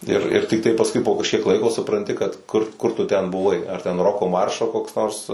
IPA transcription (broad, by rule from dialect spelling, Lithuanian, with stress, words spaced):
ɪr ɪr tʲɪkˈtɐɪ pɐsˈkʊɪ poː kɐʃʲˈkʲiɛk ˈlˠɐɪkoː sʊprɐnʲˈtʲɪ kɐt ˈkʊr ˈkʊr tʊ ˈtʲɛn bʊˈʋɐɪ ɐr tʲɛn ˈroːkoː ˈmɐrʃoː koːks ˈnoːrs